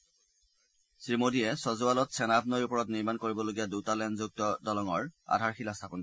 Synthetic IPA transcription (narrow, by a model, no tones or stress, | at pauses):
sɹimodiɛsɔzʊalɔtsɛnab̚nɔjupɔɹɔtniɹmankoɹibɔloɡijadutalɛndzuk̚tɔdɔlɔŋɔɹa̰dʱaɹxilastʰapɔnkɔ